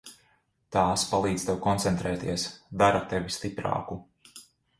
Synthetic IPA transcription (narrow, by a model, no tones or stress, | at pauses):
t̪aːspalˠiːd̪zt̪ewkɔnt̪sɛnt̪ɾɛːt̪iɛsd̪aɾat̪evist̪ipɾɑ̰ːku